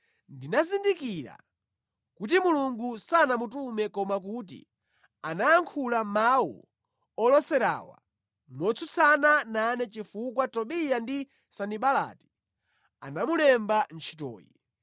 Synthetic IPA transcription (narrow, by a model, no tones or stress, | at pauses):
ndinazindikiɾa̰ | kut̬imuluŋɡusanamutumɛkɔmakut̬ḭ | anaːŋkʰulamawṵ | ɔlɔsɛɾa̰ːwa̰ | mɔt͡sʰut͡sʰanananɛt͡ʃifukwatɔɓijandi | saniɓala̰ːti̥ | a̰namulɛmbant͡ʃʰi̥tɔ̰ːjḭ